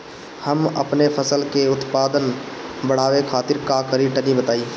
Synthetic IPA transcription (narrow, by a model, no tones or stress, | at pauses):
həmɐ̰pnepʰəsəlkeʊt̪paːd̪ənbəɽ̤aːʋekʰaːt̪ɪɾkakəɾiʈənibət̪aːiː